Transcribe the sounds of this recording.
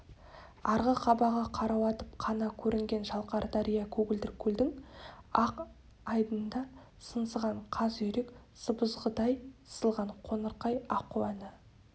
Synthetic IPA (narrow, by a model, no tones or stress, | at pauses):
ɑɾʁəqʰɑbɑʁɑqʰɑɾɑwɑt̪əp̚qʰɑnɑkʲʰɵɾʔɪŋɡʲe̞nʒɑlˠqɑɾd̪ɑɾijɑkʲʰɵɡʲɪld̪ɪɾkʲʰɵld̪ɪŋɑq | ɑjd̪ənd̪ɑ | sənsəʁɑɴqʰɑzɵjɾek | səbəzʁəd̪ɑjə̥səlˠʁɑɴqʰonəɾqɑjɑqːuɑnə